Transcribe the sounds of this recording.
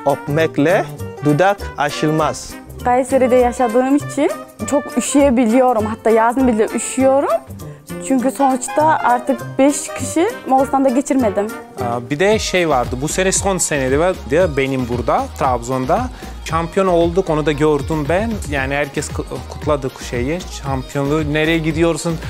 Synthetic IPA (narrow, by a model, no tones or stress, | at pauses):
opmɛklʲɛd̪ud̪akaʃɯlˠmaz̥ | kajsjeɾed̪ɛjaʃad̪ɯːmit͡ʃʰint͡ʃʰo̞kyʃijebilʲijo̞ɾumɦat̪ːaːjaːzɯnbilʲɛʔyʃyjo̞ɾumt͡ʃʰyɲc̬yso̞nut͡ʃt̪aʔaɾt̪ʰɯk̚bɛʃcʰiʃimolˠst̪ʰand̪aɟe̞t͡ʃʰiɾme̞d̪imː | bid̪ɛʃejvaɾd̪ɯbuse̞nɛsonsened̪ivɛd̪ijabe̞nimbuɾd̪at̪ʰɾabzo̞nd̪a | ʃampʰijo̞no̞lˠd̪uko̞nud̪aɟøɾd̪ymbænjaːnihæɾcʰɛskʰkʰu̥t̪ʰlˠad̪ɯkʃejɛʃampʰijo̞nune̞ɾejɛɟid̪ijo̞ɾsun